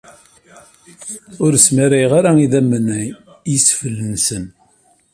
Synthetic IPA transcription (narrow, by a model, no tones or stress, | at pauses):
ʊɾsmaɾæjʁaɾaiðæmːənæj | jisfəlːənsən